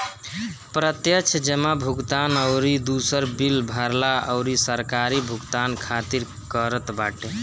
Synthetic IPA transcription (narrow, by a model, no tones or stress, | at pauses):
pɾət̪jət͡ʃʰd͡ʒəmabʱuɡt̪anəʊɾid̪usəɾbilbʱaɾlaəʊɾisəɾkaɾibʱuɡt̪ankʰat̪iɾ | kəɾət̪baʈe